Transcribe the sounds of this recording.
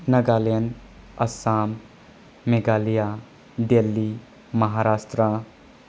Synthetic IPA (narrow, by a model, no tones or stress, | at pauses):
nɐɡaːljən | ɐsaːmː | eɡaːlija | ɖelːi | mɐɦaɾaːsʈɾa